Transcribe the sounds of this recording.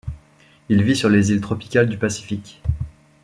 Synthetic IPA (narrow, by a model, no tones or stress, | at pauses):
ilvisyʁlezilt̪χɔpi̥kʲald̪ypasi̥fikʲ